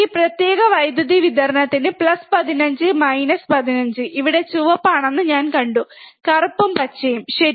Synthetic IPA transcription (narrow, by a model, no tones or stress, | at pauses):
iːprɐt̪je̞ːɣɐʋɐjd̪uðiʋid̪ɐɾɐnɐt̪ːinɨplɐspɐðinɐɲd͡ʑɨmɐjnɐspɐðinɐɲd͡ʑɨʔiʋiɽe̞t͡ɕuʋɐpːaːɳenːɨɲaːnkɐɳɖukɐrpːumpɐt͡ɕːejumɕɐ